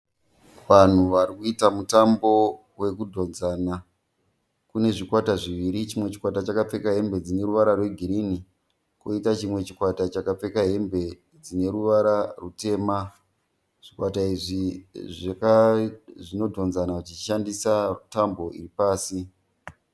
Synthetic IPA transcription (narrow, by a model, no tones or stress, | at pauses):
ʋan̤uʋarikuitamutambo̞ | we̞kudʱo̞nzaːna | kune̞ʐikwataʐiʋiɾit͡ʃimwe̞t͡ʃi̥kwatat͡ʃakap͡fe̞kaɦe̞mbe̞d͡zine̞ɾuʋaɾarwe̞ɡʱiɾini | ko̰itat͡ʃimwe̞t͡ʃikwatat͡ʃakap͡fe̞kaɦe̞mbe̞ | d͡zine̞ɾuʋaɾarute̞ːma | ʐ̥ikwataiʐiʐakaʐino̞dʱo̞nzanait͡ʃiʃandisatambo̞ʔḭripaːsi